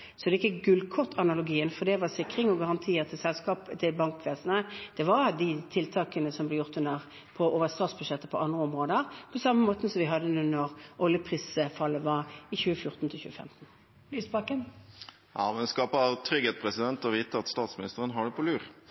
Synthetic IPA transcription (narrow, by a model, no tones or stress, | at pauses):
sɔd̪ɛɪkːəɡʉlkʰɔt̪ʰːɑnɑlʊɡiːənfɔd̪ɛʋɑsɪkːʁɪŋɔɡɑʁɑnt̪ʰiːəʁt̪ʰɪlsɛlskɑːpt̪ʰɪlbɑŋkʋeːsənəd̪̥ɛʋɑʁd̪ɪt̪ʰɪlt̪ʰɑːkənəsɔmblɛjʊʁt̪ʉnəʁ | pʰɔʔoːʋəst̪ɑːt̪sbʉʂɛt̪ːəpʰɔʔɑnd̪ʁəɔmʁoːd̪əʁpʰɔsɑmːəmoːt̪əsɔmʋɪɦɑd̪ənʉːnɔʁʔɔljəpʰʁiːsfɑlːəʋɑʁɪçʉːəfjʊʁt̪n̩t̪ʰɪlçʉ̰ːəfɛ̰mt̪n̩ | lyːspɑkən | jɑ̰ːmɛnskɑːpət̪ʰɾʏɡheːt̪̚pʰʁɛsɪd̪ɛnt̪ɔʋiːt̪əʁɑt̪st̪ɑːt̪smɪnɪst̪əʁənɦɑɖɛpʰɔlʉːʁ